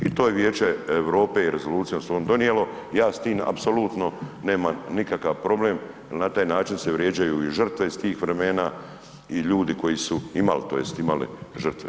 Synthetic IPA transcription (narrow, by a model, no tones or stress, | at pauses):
it̪oːjeʋjeːt͡ʃeeʋɾo̞ːpe̞iɾe̞zo̞luːt̪sijomsond̪o̞nijelo̞ | jaːst̪iːma̰pso̞lut̪no̞ne̞ːmanikakaʋpɾo̞ble̞ːm | lnat̪aːjnaːt͡ʃinse̞ʋɾje̞ːd͡ʒajuːiʒər̩t̪ʋe̞ist̪iːxʋɾe̞me̞ːna | iʎuːd̪iko̞jisuima̰lt̪oːjest̪imalḭʒər̩t̪ʋḛ